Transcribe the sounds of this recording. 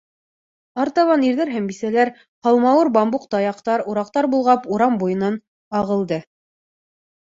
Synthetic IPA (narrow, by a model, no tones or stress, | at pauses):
ɑɾt̪ɑβɑniɾðæɾɦæmbisælæɾ | hɑlˠmɑwɤɾbɑmbuqt̪ɑjɑqt̪ɑɾuɾɑq̚t̪ɑɾbulˠʁɑpuɾɑmbujɤ̆nɑn | ɑʁɤ̆lˠd̪ɤ